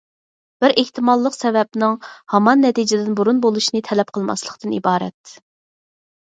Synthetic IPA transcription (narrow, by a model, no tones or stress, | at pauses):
b̥ɪɾʔeht̪ɪmɑlˠːəqsɛvɛp̚nɨŋhɑmɑnːɛt̪id͡ʒɪd̪ɪnbuɾunbolˠuʃnɨt̪ʰɛlɛp̚qʰəlˠmɑ̰slˠəqt̪ɨnḭbɑːɾɛ̰t̪